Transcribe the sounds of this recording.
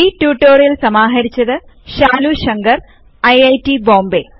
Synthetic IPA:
itjuːʈːoːrijɐlsɐmaːɦɐɾit͡ɕːɐðɨɕaːluɕɐŋɡɐr | ɐjɐjtibo̞ːmbe

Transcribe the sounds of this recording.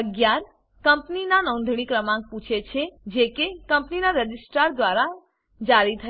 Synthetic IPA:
əɡjaɾ | kəmpninanɔ̃nd̪ʱɽ̃ikɾəmãŋɡ̚pũt͡ʃʰet͡ʃʰed͡ʒekekəmpninaɾəd͡ʒisʈaɾd̪ʋaɾa | d͡ʒaɾit̪ʰə

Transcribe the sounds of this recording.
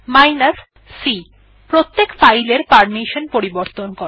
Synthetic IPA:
majnasː | i | pɾot̪ːekfajleɾpaɾmiʃonpoɾiboɾt̪onkoɾ

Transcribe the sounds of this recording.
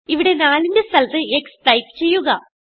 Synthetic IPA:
iʋiɽe̞naːlinde̞st̪ɐlt̪ɨekspɐjkɨ̥t͡ɕe̞jːuɣɐ

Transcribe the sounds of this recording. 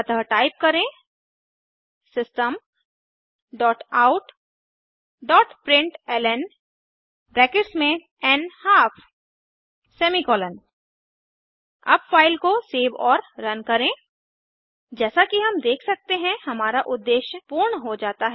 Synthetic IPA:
ɐt̪əʈaːɪp̚kɐɾẽ | sɪsʈəm | ɖɔːʈaːʊʈ | ɖɔːʈpɾɪ̃ɳʈɛːlɛn | bɾɛːkɪʈsmẽ | ɛnhaːfʰ | sɛːmikɔːlən | ɐ̰bfaːɪlkoseːʋɔːɾɾɐnkɐɾẽ | d͡ʒɛːsakiɦɐmd̪eːkʰsɐk̚t̪eɦɛ̃hɐmaːɾaʔʊd̪ːeːʃjəpuːɾɳɦod͡ʒaːt̪aɦɛ

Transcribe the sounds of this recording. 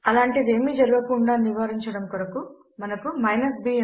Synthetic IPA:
ɐlaːɳʈid̪e̞ːmiːd͡ʒɐɾuɡɐkuɳɖaːniʋaːɾiɲt͡ʃɐɽɐmkuɾɐku | mɐnɐkumɐjnɐsbiː

